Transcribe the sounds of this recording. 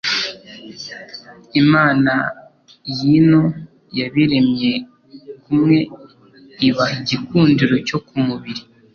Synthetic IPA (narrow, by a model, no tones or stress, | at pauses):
imaːna | jino | jaβiɾe̞mje̞ | kumŋe̞ | iβahiɟikuːndiɾo̞co̞kumuβiɾi